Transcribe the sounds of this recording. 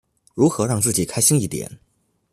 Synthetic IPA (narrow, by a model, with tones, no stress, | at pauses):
ɻu˧˥xɤ˧˥ɻɑ˥˧ŋt͡sɹ̩˥˩t͡ɕi˨˩kʰa˥ɪɕi˥ŋi˥˩t̪jɛ̰˨˩˦n